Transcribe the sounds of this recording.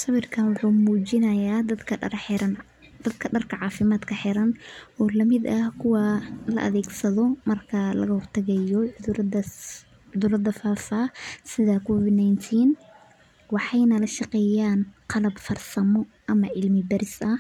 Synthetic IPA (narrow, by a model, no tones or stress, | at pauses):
sɑβɪrkʰɐnwʊħuːmuːt͡ʃɪnɐjaːd̪ɐd̪kʰɐħɪɐn | d̪̥ɐd̪kʰɐɖɐrkʰɐʕɑːfɪmaːd̪kʰɐħɪɾɐnʔɔːlɐmɪd̪ɐhkʰʊwɑlɐ̰ʔɐ̰ðɛːɡsɐðɔmɐrkʰɐlɐ̰ɣɐhʊrt̪ʰɐɣɐjɔʕʊd̪ɐ | ʊðʊɾɐd̪ɐfaːfaːsɪðɐkʰɔːwɪd̪najnt̪ʰiːn | wɑħɑjnɐlɐʃɑqɛːjaːnqɑlɐbfɐrsɐmɔ | ʔɐmɐʕɪlmɪbɐɾɪsɐh